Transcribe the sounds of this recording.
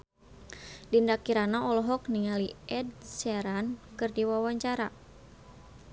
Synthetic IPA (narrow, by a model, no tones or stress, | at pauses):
dindakiɾanaɔlɔɦɔk̚niŋaliɛdsɛɾankɨrdiwawaɲt͡ʃaɾa̰